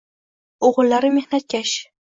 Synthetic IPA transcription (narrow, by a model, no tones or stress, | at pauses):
oʁɨlːaɾɪme̞hnat̪̚kʲaʃ